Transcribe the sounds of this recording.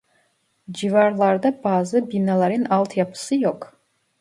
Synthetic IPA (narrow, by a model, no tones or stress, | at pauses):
d͡ʒivaɾlˠaɾd̪abaːzɨbinalˠaɾɨnalˠt̪ʰjapʰɯ̥sɨjok